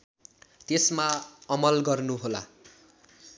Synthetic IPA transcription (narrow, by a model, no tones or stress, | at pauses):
t̪esmaʌmʌlɡʌrnuɦola̰